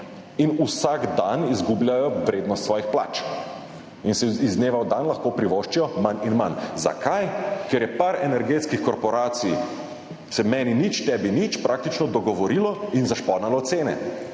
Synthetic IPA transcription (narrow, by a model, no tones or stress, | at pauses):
inusaɡd̪anizɡubljajɔʋɾeːd̪nɔst̪sʋɔːjixpla̰ːt͡ʃ | insɛizneːʋawd̪anlɐxkoːpɾiʋoʃt͡ʃijɔmaninmanza̰kʰajkɛɾjɛpaɾɛnɛɾɡet̪skixkɔɾpɔɾaːt̪sij | sɛmɛːninit͡ʃt̪ɛːbinit͡ʃpɾʔaːk̚t̪it͡ʃnɔd̪ɔɡɔʋɔɾilɔinzaʃpɔːd̪nalɔt̪seːnɛ̰